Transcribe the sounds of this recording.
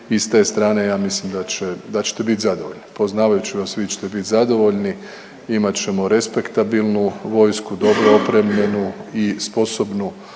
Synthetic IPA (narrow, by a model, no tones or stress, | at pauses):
ist̪e̞ːst̪ɾaːne̞jaːmislimd̪at͡ɕed̪at͡ʃe̥t̪e̞bit̪zad̪oʋo̞ʎnipo̞znaːʋajut͡ɕiʋasʋit͡ʃe̥t̪ebit̪zad̪o̞ʋo̞ʎni | imat͡ɕe̞mo̞ɾe̞spe̞kt̪abilˠnuʋo̞ːjskud̪o̞bɾoopɾemʎe̞nuispo̞so̞bnu